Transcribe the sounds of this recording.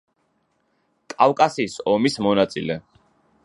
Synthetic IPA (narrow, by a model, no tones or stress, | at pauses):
kʼafkʼasiːsɔmismɔnat̪sʼḭlɛ